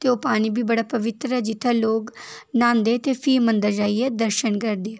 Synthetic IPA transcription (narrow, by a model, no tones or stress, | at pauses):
t̪eːoːpaːɽ̃iːbʱiːbəɽaːpəʋɪt̪ɾɛːd͡ʒɪt̪ʰːeːloːɡnãːnd̪eːt̪eːpʰiːmənd̪əɾd͡ʒaːiɛːd̪əɾʃənkəɾd̪eː